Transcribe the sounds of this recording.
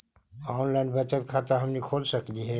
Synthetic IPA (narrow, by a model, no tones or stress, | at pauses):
ɔːnlaɪnbɛt̪əɾkʰat̪aɦɐmnikʰoːd͡ʒsəkliɦɛ